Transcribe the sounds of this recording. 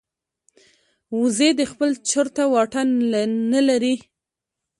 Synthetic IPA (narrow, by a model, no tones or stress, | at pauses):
uzed̪əxpəlt͡ʃəɾt̪awɑʈannalaɾi